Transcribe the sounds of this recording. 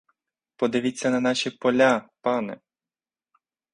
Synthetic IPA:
pɔd̪ɪʋʲit͡sʲːɐnɐnɑʃʲipɔlʲapɑnɛ̰

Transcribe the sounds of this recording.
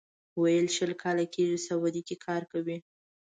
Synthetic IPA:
wajəlʃəlkʰɑlakeʒisawad̪ikekʰɑɾkawi

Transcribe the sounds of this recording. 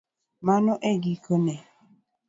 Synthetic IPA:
manɔʔeɡikonɛ

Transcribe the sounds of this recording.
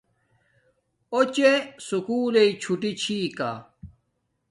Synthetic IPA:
ot͡ɕesukuːleit͡ɕʰuʈit͡ɕʰiːka̰

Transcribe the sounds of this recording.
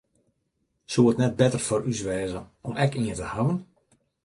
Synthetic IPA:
suətnɛt̚bɛtərforysʋɛːzəɔmɛkiəntəhaʋən

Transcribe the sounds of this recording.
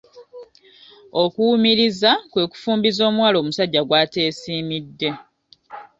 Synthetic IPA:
o̞kuumiɾizakwe̞ːku̥fuːmbizo̞ːmwaːlo̞ːmusaɟːaɡwaːte̞ːsiːmidːe̞

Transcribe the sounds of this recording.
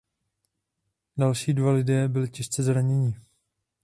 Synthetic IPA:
dalʃiːdvalɪdɛːbɪlɪcɪʃt͡sɛzɾaɲɛɲɪ

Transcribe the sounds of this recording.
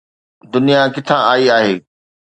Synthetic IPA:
d̪ʊnijakɪt̪ʰãaːiaːɦeː

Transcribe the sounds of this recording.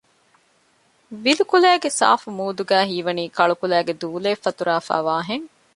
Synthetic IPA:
ʋilukulæːɡesa̰ːfumuːd̪uɡæːɦiːʋɐniːkɐɭukulæːɡed̪uːleːfːɐt̪uɾaːfæ̰ːʋaːɦeŋ

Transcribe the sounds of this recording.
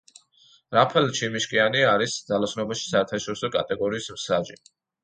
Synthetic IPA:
ɾapʰɛlˠt͡ʃʰimiʃkʼianiaɾisd̪zalˠasnɔbaʃi̥saɛɾt̪ʰaʃɔɾisɔkʼat̪ʼɛɡɔɾiːsmsad͡ʒḭ

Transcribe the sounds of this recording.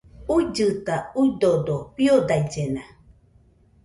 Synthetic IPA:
uid͡ʒɨt̪auid̪od̪opiodajd͡ʒena

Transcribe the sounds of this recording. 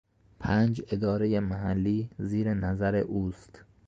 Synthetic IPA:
pʰæːnd͡ʒe̞d̪ɒːɾejemæɦælːiːziːɾenæzæɾeʔuːst̪

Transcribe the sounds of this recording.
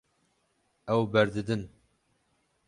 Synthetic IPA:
ɛwbɛɾd̪ɨd̪ɨn

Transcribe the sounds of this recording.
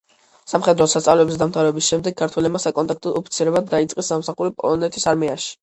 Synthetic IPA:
samχɛd̪ɾɔsat̪sʼavlɛbzsd̪amt̪ʰaɾɛbisʃɛmd̪ɛɡ̚ːaɾt̪ʰwɛlɛbmasakʼɔnt̪ʼak̚ʰt̪ʼɔɔpʰit̪sʰiɾɛbad̪ːait̪sʼqʼisːamsaχuɾipʼɔ̰lˠɔnɛt̪ʰisaɾmiaʃi̥

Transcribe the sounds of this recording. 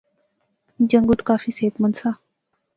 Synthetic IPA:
d͡ʑɐŋɡut̪kaːfiːseːt̪mənsaː

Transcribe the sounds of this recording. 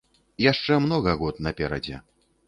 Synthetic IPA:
jaʂt͡ʂɛmnɔɣɐɣɔt̪nɐpʲɛɾɐd͡zʲɛ̰

